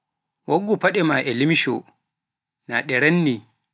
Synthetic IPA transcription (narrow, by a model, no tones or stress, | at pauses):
woɡːupaɗɛmaʔɛlimʃɔ̰ | na̰ɗɛɾanːi